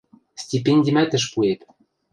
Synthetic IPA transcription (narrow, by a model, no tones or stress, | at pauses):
sʲtʲipenʲdʲimæt̪ɘ̆ʃ̬puet̪